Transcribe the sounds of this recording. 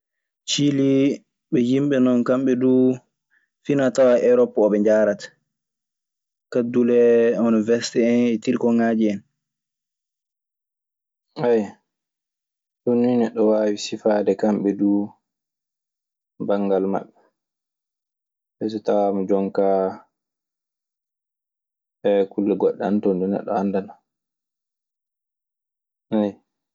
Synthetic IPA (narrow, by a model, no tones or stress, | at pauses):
t͡ʃili | ɓɛjimɓɛnɔnkamɓɛdu | finatawaʔɛɾɔpːɔɓɛɲd͡ʒaɾatḁ | kadulɛunivɛɾsi̥tɛɛnɛtiɾkɔŋad͡ʒiɛn | aj | tonːujnɛɗːɔwaːwisifaːdɛkamɓɛduː | baŋːɡalma̰ɓːɛ | bɛs̬ɛtawamɔd͡ʒɔŋka | ɛkulːɛɡɔɗːɛantɔndɛnɛ̰ɗːɔ̰andana | aj